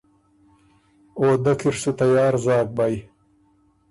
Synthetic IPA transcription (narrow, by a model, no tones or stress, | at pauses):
oːd̪ɐkʰiɾsut̪ajɑːɾzɑːk̚baj